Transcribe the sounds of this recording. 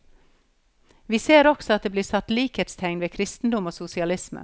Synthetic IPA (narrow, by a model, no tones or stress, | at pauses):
ʋiːseːɾɔksɔɑt̪d̪eːbliːsɑt̪liːkheːt̪st̪ʰɛŋnʋeːkʰɾɪst̪n̩d̪ʊmoːsʊsɪɑlɪsmə̰